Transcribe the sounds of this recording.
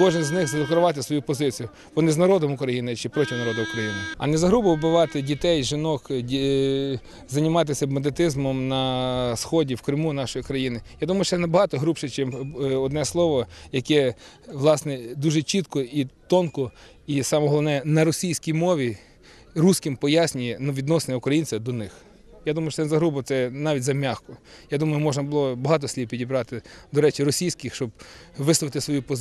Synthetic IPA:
kɔʒɪnzʲnɪxzɐlˠɐk̪ɾʊʋɑt̪ɪsʋɔjupɔzɪt͡sʲijʊ | ʋɔnɪznɐɾɔd̪ɔmʊkɾɐjinɪt͡ʃɪpɾɔtʲiwnɐɾɔd̪ɐʊkɾɐjinɪɐ̰nɛzɐɦɾubɔʋbɪʋɑt̪ɪdʲit̪ɛjʒɪnɔkʲ | zɐnʲɪmɑt̪̬ɪsʲɐbmɐnd̪et̪ɪzmɔmnɐsxɔdʲiwkɾɪmunɑʃɔjikɾɐjinɪjad̪umɐjʊʃɛnɐbɐɦɑt̪ɔɦɾupʃɛt͡ʃimɔd̪nɛslˠɔʋɔjɐkɛ | ʋlˠɑsnɛd̪uʒɛt͡ʃit̪kɔit̪ɔnkɔ | isɑmɔɦɔlˠɔʋnɛnɐɾɔsʲijsʲkʲijmɔʋʲi | rusʲkɪmpɔjasʲnʲʊjɛnʊʋʲid̪nɔsenɛʊkɾɐjinʲt͡sʲɐd̪ɔnɪx | jad̪umɐjʊʃt͡ʃɔɛɛzɐɦɾubɔt̪sɛnɑʋʲitʲzɐmʲaxkɔjad̪umɐjʊmɔʒnɐbʊlˠɔbɔɦɑt̪̬ɔsʲlʲiwpʲidʲibɾɑt̪ɪd̪ɔɾɛt͡ʃiɾɔsʲijsʲkɪxʃt͡ʃɔb̚ʋɪsˠɔʋɪt̪ɪsʋɔjupɔ

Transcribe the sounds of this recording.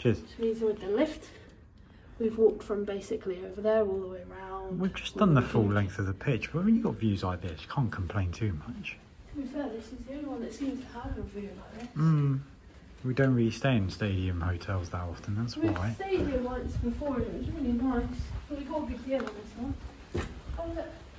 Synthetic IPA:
ʒ̥ʌsɹizwɪðəlɪft | wivwɔˑk̚tfɹə̃mbeɪsɪkʰliəʊvəðəɔlˠðəweɪəɹãʊ̃ndwivd͡ʒʌsd̥ʌ̃nðəfʊlɛ̃ŋk̚θəvðəpʰɪt͡ʃb̥ʌwĩnjəɡɒtvjʉzlaɪk̚ðɪskʰɑ̃ˑnkʰə̃m̩pʰl̥ẽɪ̃ntʰʉmʌt͡ʃ | swisɛðɪsɪzðiɛ̃niwʌ̃nðətsĩmz̥tʰəəvəvjʉlaɪk̚ðɪsm̩ | widə̃ʊ̃nʔɹɪlisteɪɪ̃nsteɪɾiə̃mhəʊtʰɛlˠzðətɒftə̃n̩ðætswiaɪsteɪdiə̃mlãɪ̃nsbɪfɔəwzəmɛ̃nimãɪ̃nsəwiɡɔtəɡɪɡ̚dɪlə̃ðɪsã | aə

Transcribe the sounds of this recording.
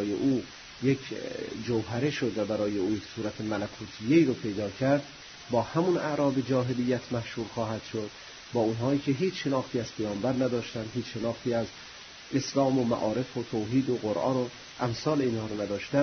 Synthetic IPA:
jḛʔuː | jekʰd͡ʒowɦæɾeʃod̪væbæɾɒːjeuːjeksuːɾæt̪ʰemælækʰuːt̪ʰijeiːɾopʰe̞jd̪ɒːcʰæɾd̪ | bɒːhæmunæ̰ʔɾɒːbed͡ʒɒːɦelijːæt̪ʰmæhʃhuːɾxɒːɦæd̪̥ʃod̪̥̚ | bɒːunɦɒːiːcʲʰe̞ɦiːt͡ʃʃe̞nɒːxt̪iːæz̥pʰæjɒːmbæɾnæd̪ɒːʃt̪ænd̪ɦiːt͡ʃʃe̞nɒːxt̪ʰiːæz | ʔeslɒːmomæ̰ʔɒːɾe̞fot̪ʰoːɦiːd̪oɣoɾʔɒ̰ːno | ʔæmsɒːleinhɒːɾonæd̪ɒːʃt̪æn

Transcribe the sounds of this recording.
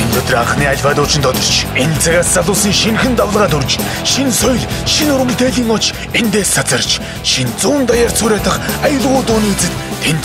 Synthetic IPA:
ent̪ʰɔt̪ɞ̆raχniːaɮʲpaːt̪ʊːt͡ɕɪ̆nt̪ʰɔt̪ɞ̆r̥t͡ɕʰent͡sʰaɣaːst͡saɮʊːsĭŋʃinxɘ̆nt̪awɮʁaːt̪ɵrt͡ɕ | ʃinsɔjɮʃinɵɾ̆m̆t̪eːɮiːŋɔt͡ɕ | ent̪eːssat͡sə̆rt͡ɕ | ʃint͡suːnt̪ajaːr̥t͡sʊːɾeːt̪ə̆χajə̆ɮʁʊːt̪ʊːniːet͡sɘ̆t̪ | t̪ʰːent̪

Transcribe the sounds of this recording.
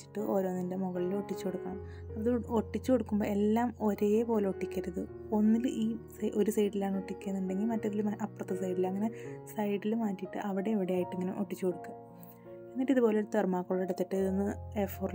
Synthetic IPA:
i̥ʈːɨʔo̞ːɾo̞ːnindemuɣɐɭilo̞ʈːit͡ɕːukoɽukːaːm | ɐpːɐðoʈːit͡ɕːɨko̞ɽukːumbo̞ːe̞lːaːmo̞ɾe̞ːpo̞ːle̞oʈːikʲːɐɾɐðɨ | o̞nːilʔiːsɐʔo̞ɾusɐjʈːilaːɳoʈːikʲːenːuɳɖe̞ŋɡilmɐtːɐðilumʔɐpːrɐt̪ːɐsɐjɖilɐŋːɐne̞sɐjɖilmaːtːijʈːɨ̰ʔɐʋiɽe̞ːʋiɽeaːjiʈːeŋːɐnḛmʔo̞ʈːit͡ɕːuko̞ɽukːaː | e̞nːiʈːiðubo̞ːlet̪ermaːkːoːɽiɽɐt̪ːiʈːɨenːɨefoːrl

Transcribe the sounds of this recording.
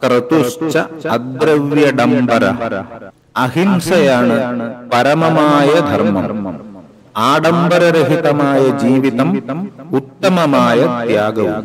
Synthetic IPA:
kɾɐt̪ut͡ʃːɐɐd̪ɾɐʋjɐɖɐmbɐɾɐ | ɐɦimsɐjaːɳɨpɐɾɐmɐmaːjɐd̪ʱɐɾmɐm | aːɖɐmbɐɾɐɾɐɦit̪ɐmaːjɐd͡ʒiːʋit̪ɐmut̪ːɐmɐmaːjɐt̪jaːɡɐʋu

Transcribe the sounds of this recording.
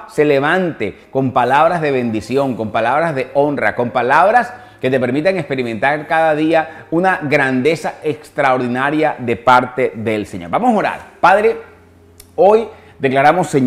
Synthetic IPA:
se̞le̞β̞ant̪eko̞mpalaβɾazðe̞β̞ẽ̞nd̪isjo̞ŋko̞mpalaβɾazðe̞o̞nra̰ko̞mpalaβɾas | ke̞t̪e̞pe̞ɾmit̪aŋespe̞ɾimẽ̞nt̪aɾkaðaðia | unaɣɾand̪e̞sae̞kst̪ɾaoɾðinaɾjaðe̞paɾt̪e̞ðe̞lseɲo̞ɾbamo̞so̞ɾa̰ɾpaðɾe̞ | o̞j | d̪e̞klaɾamo̞sːeɲ

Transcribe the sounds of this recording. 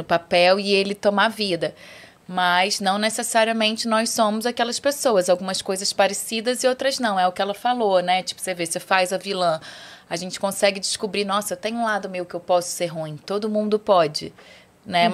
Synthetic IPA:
ʊpapɛwɪelɪt̪omavid̪ɐ | mɐznɐ̃w̃nesesaɾiɐmẽnt͡ʃɪnɔjssõmʊzakɛlɐspesoɐzawɡũmɐskojzɐspaɾesid̪ɐzɪowt̪ɾɐznɐ̃w̃ɛʊkɪɛlɐfalonɛt͡ʃi̥pʊ̥sevesefajzɐvilɐ̃aʒẽnt͡ʃɪ̥kõsɛɡɪd͡ʒɪskubɾinɔsɐewt̪ẽɲʊũlad̪ʊmejʊkɪewpɔsʊ̥seɾɦũĩt̪od̪ʊmũnd̪ʊpɔd͡ʒɪ̰ | nɛ

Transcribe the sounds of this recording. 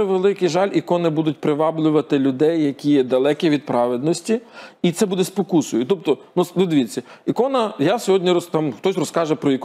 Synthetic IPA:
ɛʋelˠɪkɪʒɑlʲʔikɔnɪbud̪ʊt̚ʲpɾɪʋɑblʲʊʋɐt̪ɪlʲʊd̪ɛjːɐkʲijɛd̪ɐlˠɛkʲɛʋʲid̪̚pɾɑʋed̪nɔsʲtʲiit̪sɛbud̪ɛspɔkusʊjʊt̪ɔp̚t̪ɔnusd̪ɪd̪ʋʲit͡sʲːɐikɔnɐjasʲɔɦɔdʲnʲiɾɔst̪ɑmxt̪ɔsʲrɔskɑʒɛpɾɔik

